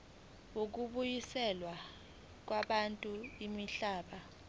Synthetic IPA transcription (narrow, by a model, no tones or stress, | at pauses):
uk̬uɓujisɛlwa | k̬waɓantʼuimiɬaːɓa